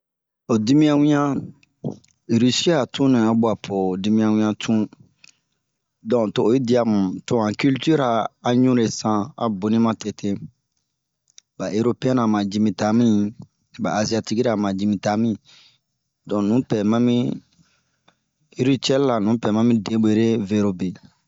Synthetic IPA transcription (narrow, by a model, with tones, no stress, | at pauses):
o˨di˦mĩ˦ã˦wĩ˦ã˦˨ | ɾi˦si˦a˨tũ˦nĩ˨a˦bwa˨pʰo˨di˦mĩ˦ã˧wĩ˦ã˧tʰũ˦ | dɔ̃˨to˨o˨ji˦di˦a˨mũ˨tõ˦ã˨ky˦lty˦ɾa˨a˨ɲũ˦ɾe˨sã˦a̰˨bo˨nĩ˦mã˦tɛ˨tʰe˦ | ba˨ʔe˦ɾo˦pe˦ɛ̃˦na˨mã˨d͡ʒi˦mĩ˨ta˦mĩ˦ | ba̰ː˨zi˦a˧ti˦ki˦ɾa˨mã˨d͡ʒi˦mĩ˨ta˦mĩ˦ | dɔ̃˨nũ˨˦pɛ˨mã˦mĩ˦ | ɾi˦t͡ʃɛ˦lla˨nũ˨˦pɛ˨mã˦mĩ˦dẽ˦bo˨˦ɾe˦ve˦ɾo˦be˨